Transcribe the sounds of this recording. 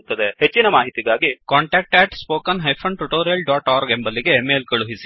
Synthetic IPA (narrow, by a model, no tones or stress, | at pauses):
t̪ːɐd̪ehet͡ʃːinɐmaːɦit̪iɡaːɡikaːɳʈeːk̚ʈeːʈspoːkɐnɦɐjpʰɐɳʈuʈoːɾijɐlɖaːʈaːɾɡembɐlːiɡe̞ːmeːlkɐɭuɦisi̥